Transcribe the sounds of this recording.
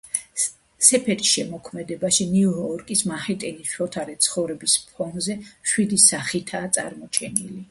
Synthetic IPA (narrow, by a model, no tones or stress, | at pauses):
sɛpʰɛɾisʃɛmɔkʰmɛd̪ɛbaʃiniujɔɾkʼismahɛt̪ʼɛnisʃɔt̪ʰaɾɛt̪sʰχɔvɾɛbispʰɔnzɛʃwid̪isaχit̪ʰaːt̪sʼa̰ɾmɔt͡ʃʰɛnili